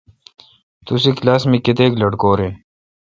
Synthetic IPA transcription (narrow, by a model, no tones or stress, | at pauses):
t̪us̬iklaːsmiket̪eːklɐɽkoːɾeː